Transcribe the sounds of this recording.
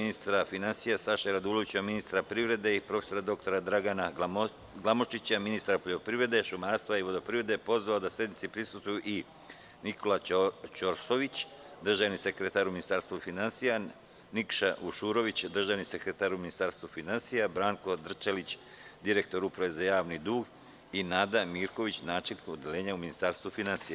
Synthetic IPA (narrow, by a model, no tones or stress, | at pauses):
inist̪ɾafinansijasaʃeɾad̪uloʋit͡ɕaminist̪ɾapɾiʋɾe̞d̪e̞ipɾofe̞̥so̞ɾad̪o̞k̚t̪o̞ɾad̪ɾaɡana | ɡlˠamoʃt͡ʃit͡ɕaminist̪ɾapolʲeopɾiʋɾe̞d̪e̞ʃumaɾst̪ʋaiʋo̞d̪opɾiʋɾe̞d̪epo̞zʋaod̪asje̞d̪nit̪sipɾisust̪ʋujuʔi | nikʰo̞lat͡ʃoɾsoʋit͡ɕ | d̪r̩ʒaʋnise̞kɾet̪aɾuminist̪aɾst̪ʋufinansija | nikʃauʃuːɾo̞ʋit͡ɕd̪r̩ʒaʋnise̞kɾe̞t̪aɾuminist̪aːɾst̪ʋufinansijabɾaːŋko̞d̪r̩t͡ʃalit͡ɕ | d̪iɾe̞k̚t̪o̞ɾupɾaʋe̞zajaːʋnid̪uːɡ | inaːd̪amiːɾko̞ʋit͡ɕnaːt͡ʃelʲnikod̪elʲeːɲauminist̪aɾst̪ʋufinansija